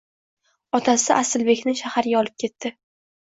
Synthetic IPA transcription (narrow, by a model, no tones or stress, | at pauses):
ɒt̪ʰasɪʔasɪlbe̞kʲnɪʃahaɾɪɡʲaɒlɪp̚kʲe̞t̪ːɪ